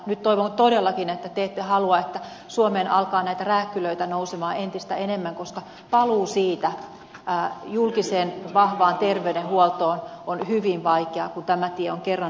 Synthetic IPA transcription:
nyt̪t̪oiʋont̪odelːɑkinet̪ːæt̪eːt̪ːehɑluɑet̪ːæ | suomeːnʔɑlkɑːnæit̪æræːkːyløit̪ænousemɑːent̪ist̪æenemːæŋkoskɑ | pɑluːsiːt̪æ | ʔːjulkiseːnʋɑhʋɑːnt̪erʋeydehuɔlt̪oːnonhyʋinʋɑikeɑkunt̪æmæt̪iɛoŋkerːɑ

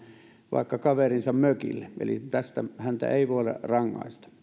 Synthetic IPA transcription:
ʋɑ̰ˑikːɑkɑʋerinsɑmmøkḭlːeḛlḭt̪æst̪æhænt̪æ̰ʔeˑiʋoˑlḛrɑŋːɑ̰ist̪ɑ̥

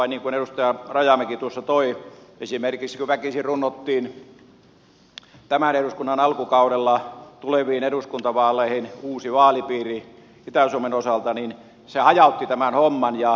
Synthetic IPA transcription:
ɑiniːŋkunerust̪ɑjɑrɑjɑmekit̪uosːɑt̪oiesimerkiksi̥kuʋækisirrunːot̪ːiːn | t̪æmæneɾuskunːɑnɑlkukɑuɾelːɑt̪uleʋˑiːneduskunt̪ɑʋɑːlːˑeihinuːsiʋɑːlipiːri | it̪æsuomenosɑlt̪ɑnin | sehɑjɑˑut̪ːit̪æmænhomːɑnjɑ

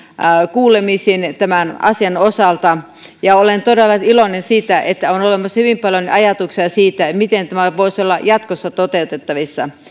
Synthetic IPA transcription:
kuːlemisint̪æmænɑ̰siɑnosɑlt̪ɑ | jɑolent̪odelːɑilonensiːt̪æʔet̪ːæonolemɑsːhyʋimpɑljonɑjɑt̪uksiɑsiːt̪æmit̪ent̪æmæʋoisolːɑjɑt̪kosːɑt̪ot̪eut̪et̪ːɑʋisːɑ̰

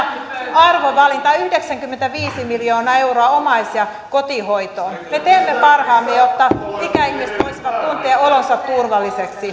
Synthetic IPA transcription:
ɑrʋoʋɑlint̪ɑyhdeksæŋkymːent̪æʋiːsimiljoːnɑe̞uroɑomɑisjɑ | ko̞t̪ihoit̪oːnmet̪eːmːepɑrhɑːmːejot̪ːɑsikæihmist̪oisʋɑt̪kunt̪eɑolonsɑt̪t̪urʋɑlːiseksi

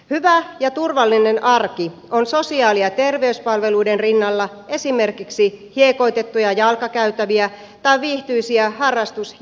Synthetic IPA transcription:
hyʋæjɑt̪urʋɑlːine̞nʔɑrki | o̞nso̞siɑːliɑt̪e̞rʋe̞yspɑlʋe̞luidenrinːɑlːɑe̞sime̞rkiksihieko̞jt̪e̞t̪ːujɑjɑlkɑkæyt̪æʋiæ | t̪ɑiʋiːht̪yisiæhɑrːɑst̪us

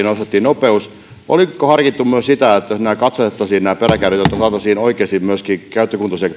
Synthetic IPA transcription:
nost̪et̪ːiːnopeus | ʔo̰likohɑrkit̪ːummyøssit̪æet̪ːjosnæːkɑt̪sɑet̪ːɑsiːnnæːperækærit̪jot̪ːɑsɑːt̪ɑsiːnoikˑeˑsimmyøskiːkæyt̪ːøkunt̪ɑsek

